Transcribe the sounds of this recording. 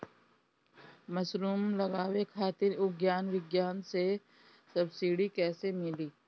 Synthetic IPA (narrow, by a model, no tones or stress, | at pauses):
mɐsɾuːmlɐɡaːwekʰaːt̪ɪɾʊɡjaːnʋɪɡjaːnse | sɐbsiːɽikɛːsemɪliː